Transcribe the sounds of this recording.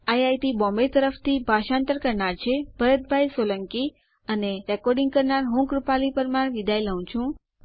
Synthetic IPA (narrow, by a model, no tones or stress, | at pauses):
ajajʈibɔ̃mbet̪əɾəft̪ʰibʱaʃãnt̪əɾkəɾɳaɾt͡ʃʰeb̥ʱəɾət̪̚bʱajsoləŋki | əneɾɛkɔɾɖiŋɡ̚kəɾnaɾɦũkɾupalipəɾmaɳʋid̪ʱajləũt͡ʃʰũ